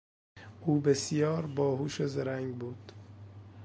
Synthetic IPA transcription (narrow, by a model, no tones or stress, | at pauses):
ʔuːbesijɒːɾbɒːɦuːʃezeɾæŋɡbuːd̪̥